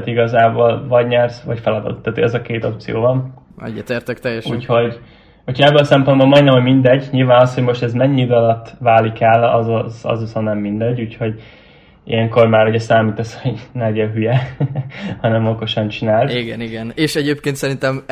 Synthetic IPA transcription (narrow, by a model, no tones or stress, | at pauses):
t̪iɡɒzaːboːlvɒɟɲɛrsvɒcfɛlɒd̪ɒ̰t̪ːaːt̪ʰoɟɛzɒkeːt̪o̞p̚t̪sḭjo̰ːvɒn | ɛ̰dɛt̪eːrt̪ɛkt̪ɛjːɛʃṵːcho̞ɟ | uːchojɛbːɛlɒsɛmpo̞nbolmɒjnɛmɒmind̪ɛɟːɲilvaːnɒsho̞ɟmo̞ʃt̪ɛzmɛɲːid̪ɒlɒt̪ːvaːlikɛlɒ̰zzsɒ̰zusɒnɛmːind̪ɛɟːuːcho̞ɟ | ḭjɛŋko̞rmaːɾuɟɛsaːmiːt̪ɛsoɟnɛɡjɛɦyjɛ | hɒnɛmo̞ko̞ʃɒnt͡ʃinaːliɡɛniɡɛneːʃɛɟeːpkeːnt̪sɛɾint̪ɛm